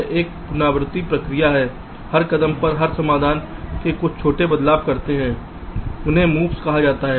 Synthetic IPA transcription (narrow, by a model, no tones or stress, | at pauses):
ʔeːk̚pʊnaːbɾɪt̪ːipɾɐkɾijaɦɛː | hɐɾkɐd̪əmpɐɾɦɐɾsɐmaːd̪ʱaːnkekʊt͡ʃʰt͡ʃʰoːʈebɐd̪laːb̚kɐɾt̪eɦɛ̃ː | ʊnɦẽmuːʋskɐɦad͡ʒaːt̪aɦɛː